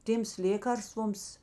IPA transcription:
ˈtʲeːms ˈlʲeːkɐrstʋoːms

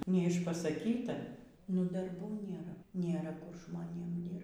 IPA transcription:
nʲɛɪʃpɐsɐˈkʲiːtɐ nʊ dɐrˈbuː ˈnʲeːrɐ nʲeːˈrɐ ˈkʊr ʒmoːˈnʲeːm ˈdʲiːrpt

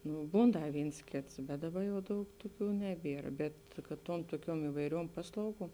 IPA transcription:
ˈnʊ ˈbuːn ˈdɐ ˈʋʲiːns ˈkʲeːts bʲɛt ˈdɑːˌbɐ jɛʊ ˈdɐʊk ˈtʊˌkʲuː ˈnʲæːˌbʲiɛr bʲɛt kɐt ˈtuɔm tuɔˈkʲuɔm ɪʋɐɪˈrʲuɔm ˈpɑːslˠɐʊˌɡuɔm

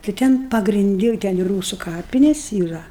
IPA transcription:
tɐɪ ˈtʲɛn pɐɡrʲɪnʲˈdʲɪ ˈtʲɛn ɪ ˈruːsʊ ˈkɑːpʲɪnʲeːs iːˈrɐ

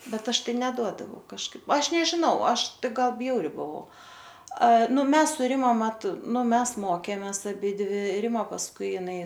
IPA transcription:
ˈbʲɛt ˈɐʃ ˈtɐɪ nʲɛˈduɔdɐʋɐʊ kɐʃˈkɐɪp ˈɐʃ nʲɛʒʲɪˈnɐʊ ˈɐʃ ˈtɐɪ ˈɡɐlˠ ˈbʲjɛʊrʲɪ bʊˈʋɐʊ ɐ ˈnʊ ˈmʲɛs sʊ ˈrʲɪmɐ ˈmɐt ˈnʊ ˈmʲɛs ˈmoːkʲeːmʲeːs ɐˈbʲɪdʲʋʲɪ ˈrʲɪmɐ pɐsˈkʊɪ ɪˈnɐɪ

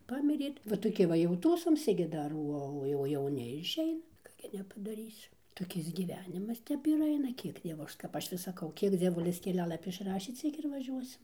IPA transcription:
ˈpɑːmʲɪrʲeː ʋɐ toːˈkʲɪ ʋɐ jɛʊ ˈtuːsoːmʲsʲɪ ɡʲɪ ˈdɐr ˈuɔ oː jɛʊ jɛʊˈnʲɪ ɪʃʲˈɛɪnɐ ˈkɑː ɡʲɪ nʲɛpɐdɐˈrʲiːsʲɪ toːˈkʲɪs ɡʲiːˈʋʲæːnʲɪmɐs ˈtʲɛp ɪr ˈɐɪnɐ ˈkʲiɛk ˈdʲiɛʋoː ˈɐʃ kɐp ˈɐʃ ʋʲɪs sɐˈkɐʊ ˈkʲiɛk d͡zʲiɛˈʋʊlʲɪs kʲɛˈlʲæːlˠɐpʲɪ ɪʃˈrɑːʃʲeː ˈt͡sʲiɛk ɪr ʋɐˈʒʲuɔsʲɪm

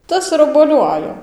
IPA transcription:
ˈtɐs ɪr oːbuɔˈlʲʊ ˈɑːjoː

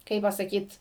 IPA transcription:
ˈkɐɪp pɐsɐˈkʲiːt

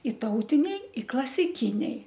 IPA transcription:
ˈɪ ˈtɐʊtʲɪnʲɛɪ ɪ klˠɐsʲɪˈkʲɪnʲɛɪ

